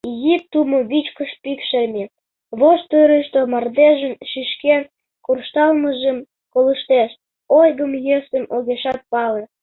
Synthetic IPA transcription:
ɣip̚t̪umoβit͡ɕkəʃpikʃeme | βoʃt̪øɾeʃt̪omɑrd̪eʒənʃiʃken | kurʃt̪ɑlməʒəm | koləʃt̪eʃ | ojɣəmjesəmʔoɣeʃɑt̪̚pɑle

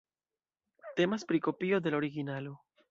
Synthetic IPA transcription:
te̞maspɾiko̞pio̞d̪e̞lo̞ɾiɡinalo

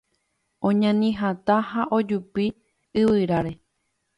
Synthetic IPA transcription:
õɲãnĩɦat̪ahaʔod͡ʒupi | ɨʋɨɾaɾe̞

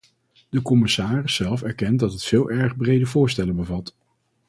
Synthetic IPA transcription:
d̥əkɔmɪsaːrɪsːɛlˠfɛɹkɛntdɑtɦətfɪːlˠʔɛɹχbrejdəvʊːɹstɛlənbəvɑt

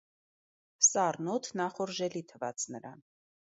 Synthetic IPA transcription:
sɑrnɔt̪ʰnɑχɔɾʒɛlit̪ʰəvɑ̰t͡snəɾɑ̰n

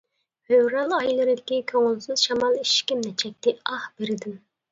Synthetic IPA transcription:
høwɾɑlˠɑjlˠɨɾɨd̪ɪkʲikʲʰøŋʊlˠsɨz̥ʃɑmɑlˠiʃkʲimnɛt͡ʃʰɛk̚ʲt̪ʰɪɑhb̥eɾɪd̪ɪm

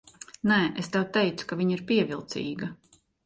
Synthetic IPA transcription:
nɛʔest̪ɛwt̪ɛjt̪su̥kavʲiɲiɾpiɛvʲilˠt̪sḭːɡɐ

